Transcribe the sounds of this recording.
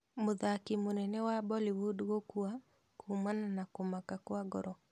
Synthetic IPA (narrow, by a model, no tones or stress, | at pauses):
moðakimonɛnɛwabɔliwodɣokua | kʰumananakomakakwaɡɔɾɔ